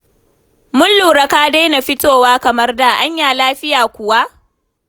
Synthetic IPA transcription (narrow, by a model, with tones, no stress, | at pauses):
mʊ˦nluː˨ɾɐ˦kaː˦da˦jna˨ɸɪ˦toː˨waː˦kɐ˨mɐ˦rda˨ʔa˦ɲjaː˨laː˦ɸɪ˦jaː˨kʷʊ˨wa˦ʔ